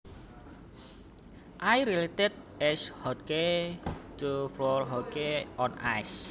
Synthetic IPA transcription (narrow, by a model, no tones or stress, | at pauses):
ʔajɾilet̪ɪd̚ | ɛshɔt̚ke | t̪ufɾɔlɦɔkeɔna̰js